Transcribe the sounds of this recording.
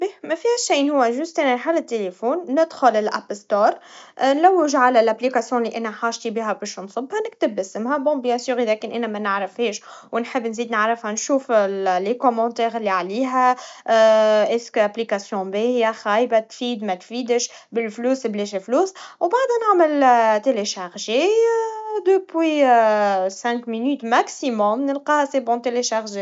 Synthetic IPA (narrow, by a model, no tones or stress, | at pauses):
bemæfiæʃiːnhʊwːaʒʊst̪ʔænaħalːɪt̪ːelefoːnːɪd̪xʊlɪlʔæ̰pst̪oːɾˤnlawːɪʒʕalalʔaplikasjɔ̃liʔænæħaːʒt̪ibiːɦæbɪʃnsˤɨbhɑnɪk̚t̪ɪbːɪsəmɦabɔ̃ːbjæ̃syːɣilæːkɪnʔænæmænɪʕɾɪfheːʃwɪnħɪbːnziːd̪nɪʕɾɪfhanʃuːfllekɔmɑ̃t̪ɛːɣɪlːiʕaliːɦæ | ʔɛskaplikasjɔ̃bihɪjaxaːjbat̪fiːd̪mɛt̪fiːd̪əʃbɪlfluːsbleʃefluːswbaʕd̪ænaʕməlt̪eleʃaʁʒe | d̪əpwi | sɛ̃kminyːt̪maksimɔmnəlqɑːhasebɔ̃t̪eleʃaʁʒ